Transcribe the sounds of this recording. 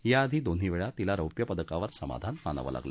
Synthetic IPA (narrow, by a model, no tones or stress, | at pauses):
jaːd̪ʱiːd̪on̤ɦiʋeɭat̪ilaɾəwpjəpəd̪əkaʋəɾsəma̰d̪ʱanma̰nə̰ʋə̰la̰ɡlə